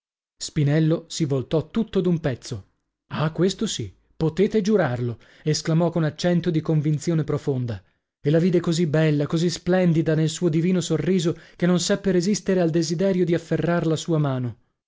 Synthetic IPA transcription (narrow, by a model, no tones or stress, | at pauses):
spinɛlːosivolt̪ɔt̪ːut̪ːod̪umpɛt̪sːo | akːwest̪osi | pot̪eːt̪ed͡ʒuɾarlo | esklamɔkonat͡ʃːɛnt̪od̪ikoɱvint̪sjoːnepɾofond̪a | elaviːd̪ekozibɛlːakozisplɛnd̪id̪anelsuːod̪iviːnosorːiːzokenːonsapːeɾezist̪eɾeald̪ezid̪ɛːɾjod̪iafːerːaɾlasuːamaːno